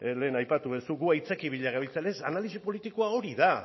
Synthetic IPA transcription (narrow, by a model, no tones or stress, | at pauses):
le̞ːnajpat̪uβesuɣuajt͡sekiβiʎaɣaβilt͡salesanalisipo̞lit̪ikoao̞ɾiða